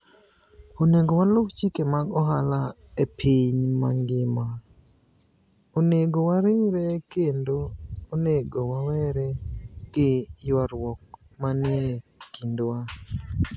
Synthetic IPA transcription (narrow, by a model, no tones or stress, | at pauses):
oneɡowalokt͡ʃikemaɡɔɦala | epʰiɲma̰ŋɡɪma | oneɡowaɾɪŋɾɛkendooneɡowawɛɾɛɡɪjwaɾwɔk̚manɪekindwa